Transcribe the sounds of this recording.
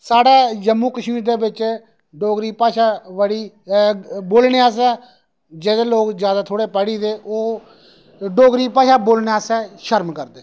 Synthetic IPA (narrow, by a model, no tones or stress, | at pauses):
saːɽaːd͡ʒəmːũːkəʃmiːd̪eːbɪt͡ʃ | ɖoːɡɾiːpaːʃaːʋəɽiː | boːlɳeːaːsɛː | d͡ʒɛːd̪eːloːkzjaːd̪aːt̪ʰoːɽeːpəɽiːd̪eːʔoː | ɖoːɡɾiːpaːʃaːboːlɳeːaːsɛːʃəɾmkəɾd̪eː